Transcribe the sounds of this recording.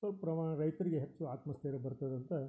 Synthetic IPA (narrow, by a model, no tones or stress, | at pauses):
ɐlpɾɐmaːɳɐɾɐjt̪ɐɾiɡeɦet͡ʃːuaːt̪mɐst̪ʰeɾebɐɾt̪ɐd̪ɐnt̪ɐ